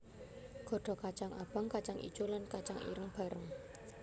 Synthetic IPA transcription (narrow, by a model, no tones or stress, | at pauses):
ɡ̥ɔ̤ɖ̥ɔ̤kat͡ʃaŋab̥a̤ŋkat͡ʃaŋʔḭt͡ʃolankat͡ʃaŋḭɾəŋb̥a̤ɾəŋ